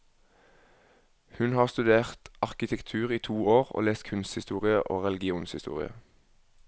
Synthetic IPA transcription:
hʉnhɑːʁst̪ʉd̪eːʁt̪ɑʁkɪt̪ʰɛkt̪ʰʉːʁiːt̪ʰuːoːʁo̰ːleːst̪kʰʉnst̪hɪst̪uːʁɪəʔo̰ːʁɛlɪɡɪuːnshɪst̪ṵːʁɪ̰ə̰

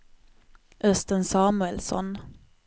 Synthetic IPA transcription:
ʔœst̪ənsɑːmɵɛlsɔ̰n

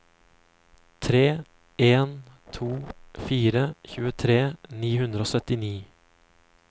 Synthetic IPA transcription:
t̪ʰɾeː | eːnt̪ʰuːfiːɾəçʉːət̪ʰɾeːniːɦʉnd̪ɾəoːsœt̪ɪniː

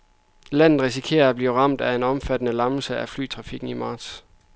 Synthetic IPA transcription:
læn̰ð̩ˠʁis̬ikʰe̝̰ːɐːb̥liʊʁɑ̈m̰d̥æe̝nɒ̽mfæd̥ənəlɑ̈ml̩səæfly̰ːt͡sʰʁɑ̈fiɡ̥n̩imɑ̈ːd̥s

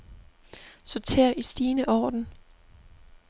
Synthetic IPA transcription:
sɒt͡sʰe̝̰ːɐʔisd̥iːnəʔɒːd̥n̩

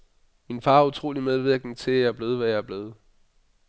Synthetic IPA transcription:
minfɑ̈ːɐut͡sʰʁo̝̰ːlimeð̞ˠʋiɐɡ̥n̩t͡sʰe̝jæɐb̥le̝ːð̞̩ˠʋæjɑæɐb̥le̝ːðˠ

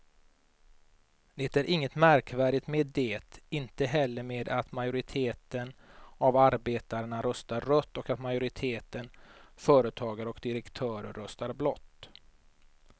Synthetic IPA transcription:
d̪̥ɛt̪æɾʔɪŋːət̪mæɾkvæːɖɪt̪meːd̪ːeːt̪ɪnt̪əɦɛlːəɾmeːd̪at̪majʊɾɪt̪ʰeːt̪ənavaɾbeːt̪aɾəɳaɾœst̪aɾœt̪ːɔkat̪majʊɾɪt̪ʰeːt̪ənfœːɾət̪ʰɑːɡaɾəɔkd̪ɪɾɛkt̪ʰœːɾəɾːœst̪aɾblɔt̪ː

